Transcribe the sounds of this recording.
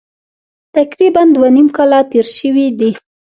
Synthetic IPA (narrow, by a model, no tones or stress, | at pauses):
t̪akɾiband̪wanimkɑlat̪eɾʃəwid̪i